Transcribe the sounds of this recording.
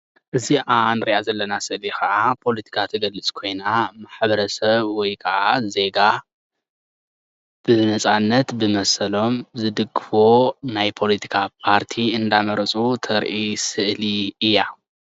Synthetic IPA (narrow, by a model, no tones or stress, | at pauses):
ʔɨziʔanɨɾiʔazɐlːɐnasɨʔlixɐʔapʰo̞lɐt̪ʰi̥kʰat̪ʰɐɡɐlːɨt͡sʼkʰo̞jnamaħbɐɾɐsɐβwɔjkʰɐʔaze̞ɡa | b̥ɨnɐt͡sʼanːɐt̪bɨmɐsɐlo̞mzɨd̪ɨɡːɨfo̞najpʰo̞lit̪ʰi̥kʰapʰaɾt̪ʰiɨnd̪amɐɾɐt͡sʼut̪ʰɐɾʔisɨʔliɨjːa